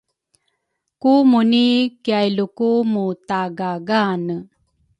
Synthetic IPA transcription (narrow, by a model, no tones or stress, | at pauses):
kumunikiajlukumut̪aɡaɡanə